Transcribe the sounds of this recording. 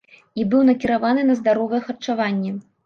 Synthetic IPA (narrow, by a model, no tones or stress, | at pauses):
ibɨwnɐkʲiɾavanɨnɐzd̪aɾɔvɐjɛxɐrt͡ʂavanʲːɛ